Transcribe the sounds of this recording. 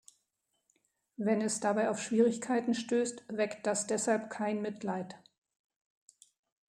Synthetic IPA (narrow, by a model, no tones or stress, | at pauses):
vɛnɛsd̥abaɪaʊfʃv̥iːʁ̞ɪçkʰaɪtn̩ʃtøːstvɛkt̚d̥asd̥ɛshalpkʰaɪnmɪtʰlaɪt